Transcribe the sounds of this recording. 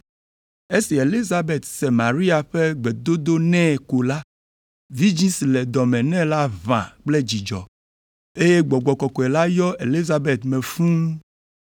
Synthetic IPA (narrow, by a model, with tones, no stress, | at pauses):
e˦si˨e˨li˦za˨be˨t̪se˨mã˨ɾi˦a˨ɸe˦ɡ͡be˨d̪o˦d̪o˦nɛ̃˦˨ko˨la˦ | vi˦d͡ʑĩ˦si˨le˨d̪ɔ˨mɛ̃˨nɛ̃˦la˦vã̰˨k͡ple˦d͡ʑi˨d͡ʒɔ̰˨ | e˦je˦ɡ͡bɔ˨ɡ͡bɔ˨kɔ˨kɔ˨ɛ˨la˦jɔ˦e˨li˦za˨be˨t̪mɛ̃˨fũ˦